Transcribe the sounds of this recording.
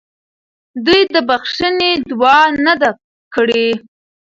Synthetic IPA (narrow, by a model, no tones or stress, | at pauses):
d̪ujd̪əbaxʂəned̪wɑnad̪a | kəɽe